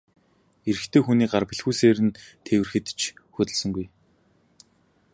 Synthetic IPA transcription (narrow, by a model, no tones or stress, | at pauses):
eɾɘ̆xt̪ʰeːxuniːɢarpĭɮxuːseːɾɘ̆nt̪ʰewɘ̆rxɘ̆t̪t͡ɕʰxɵt̪ɘ̆ɮsə̆ŋɡuj